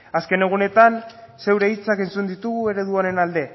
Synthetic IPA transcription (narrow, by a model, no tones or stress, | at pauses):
aske̞ne̞ɣ̞une̞t̪anse̞wɾe̞it͡sakent͡sund̪it̪uɣue̞ɾe̞ðuoɾe̞nald̪e̞